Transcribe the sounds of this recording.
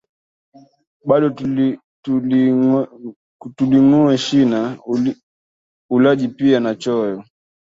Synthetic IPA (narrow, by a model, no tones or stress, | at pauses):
ɓaɗɔ | tuliŋuɛʃina | ulaʄipianat͡ʃɔjɔ